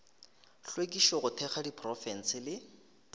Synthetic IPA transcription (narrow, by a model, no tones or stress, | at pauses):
ɬwekʼiʃɔɣʊtʰɛχadipʰrɔfɛn̩sɪlɪ